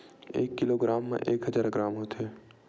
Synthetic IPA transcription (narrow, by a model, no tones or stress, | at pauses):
ḛːkːɪloɡɾaːmːḛ̃ʔeːkɦəd͡ʒaːɾɡɾaːmɦoːt̪eː